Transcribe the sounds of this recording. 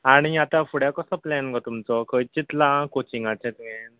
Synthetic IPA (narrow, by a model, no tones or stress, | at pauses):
aɽ̃iat̪ãfuɽjakɔsɔplɛnkɔt̪umt͡sɔkʰəjt͡ɕit̪lãkot͡ɕiŋɡat͡ɕʰɛ̃t̪ɛ̃n